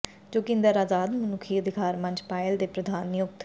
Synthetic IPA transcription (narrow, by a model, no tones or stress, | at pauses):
d͡ʒoːkɪ̃nd̪əɾaːzaːd̪mənʊkʰiːəd̪ʱɪkaːɾmə̃ɲd͡ʒpaːɪld̪eːpɾəd̪ʱaːnːɪjʊk̚t̪